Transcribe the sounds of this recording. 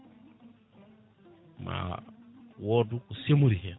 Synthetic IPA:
ma̰ | wɔdukusemuɾihe

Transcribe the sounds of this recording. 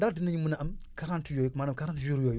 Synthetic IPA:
dadinaɲimunaʔamkaɾantijojukmanakaɾatiʒuɾjoju

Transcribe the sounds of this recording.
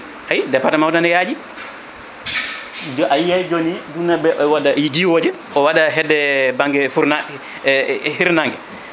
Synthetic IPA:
hajdɛpːatamawtanɛjaːd͡ʒi | d͡ʒajajd͡ʒonidunːabɛʔɔwadad͡ʒiwoːd͡ʒɛ | ʔɔwaɗaɦɛdːɛbaŋɡɛfuɾna | hiɾnaŋɡɛ

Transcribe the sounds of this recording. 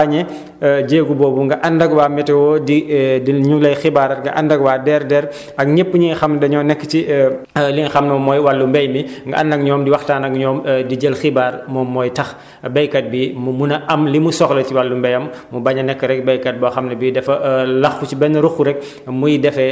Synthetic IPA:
aɲɛ | ɟeːɡubɔːbuŋɡɐʔɐndɐɡwaːmɛtɛwɔːdidiɲulɐjxibaɾɐtŋɡɐ̰ʔɐndɐɡwaːdɛːɾdɛɾ | ɐk̚ɲepːɲiŋxɐmnɐdɐɲɔːnɛkːə̥t͡ʃi | liŋxɐmnɐmɔːjwɐlːumbɛjmiŋɡɐ̰ʔɐndɐk̚ɲɔːmdiwɐxtaːnɐk̚ɲɔːmdiɟɐlxibaːɾmɔmɔːjtɐx | bɛjkɐt̚bimumunɐʔɐmlimusɔxlɐtiwɐlːumbɛjɐmːubɐɲɐnɛkːəɾɛk̚bɛjkɐt̚bɐxɐmnɐbidɛfɐlɐxkut͡ʃibɛnːɐɾuxuɾɛk̚ | mujidɛfɛ

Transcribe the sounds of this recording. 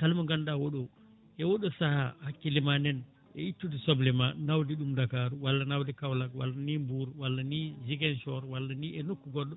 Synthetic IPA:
kalmaɡandawoɗɔ | ʔɛwoɗɔsaha̰hakːilimanɛn | ʔɛ̰itːudisɔblɛmanawdiɗumdakaːɾuwalːanawdikawlakwa̰lːanimbuɾwalːaniːd͡ʒiɡɛnʃɔɾwalːaniɛnokːuɡɔɗːɔ

